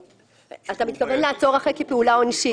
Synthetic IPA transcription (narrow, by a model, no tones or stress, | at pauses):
at̪amit̪̚kave̞nlaat͡so̞ʁaχekepeulaonʃi